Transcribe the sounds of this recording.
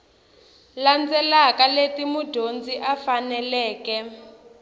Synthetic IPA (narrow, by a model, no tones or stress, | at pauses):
land͡zɛlakaletimudʱond͡ziʔafanɛlɛːkɛ